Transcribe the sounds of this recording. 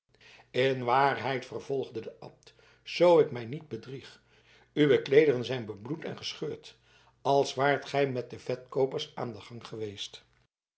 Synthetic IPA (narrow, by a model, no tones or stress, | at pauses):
ɪnʋaːrɦɛjtfərv̥ɔlˠχdədəʔɑ̰p̚t | z̥owɪkmɛjnid̚bədriχ | yʋəklejdərənzɛjnbəblutɛ̰nχəsχøːɹt | ɑlˠsʋaːɹtχɛjmɛt̚dəvɛtkowpərsa̰ːndəχɑŋχəʋejst